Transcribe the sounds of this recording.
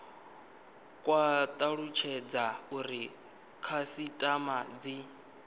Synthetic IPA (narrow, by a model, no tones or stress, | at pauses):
kʼwat̪ʼaɺut͡ʃʰɛd͡zauɾi | kʰasitʼamad͡zi